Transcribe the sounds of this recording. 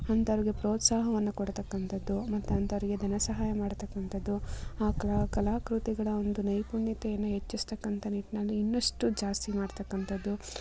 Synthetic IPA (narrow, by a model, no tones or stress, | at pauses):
ɐnt̪ɐɾiɡe̞pɾoːt̪saːɦɐʋɐnːukoɽt̪ɐkːɐnt̪ɐd̪ːumɐt̪ːuɐnt̪ɐʋɐɾiɡe̞d̪ʱɐnɐsɐɦaːjɐmaːɽt̪ɐkːɐnt̪ɐd̪ːuaːkkɐlaːkɾut̪iɡɐɭɐo̞nd̪unɐjpuɳːit̪ɛjɐnːuɦet͡ʃːist̪ɐkːɐnt̪ɐniʈinɐlːiːnːɐʂʈud͡ʒaːst̪imaːɽt̪ɐkːɐnt̪ɐd̪ːu